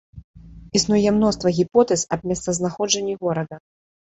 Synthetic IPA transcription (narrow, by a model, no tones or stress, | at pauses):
isnujɛmnɔst̪vɐɣʲipɔt̪ɛsɐb̚ʲmʲɛst̪sɐznaxɔd͡ʐɐnʲːiɣɔɾɐd̪ɐ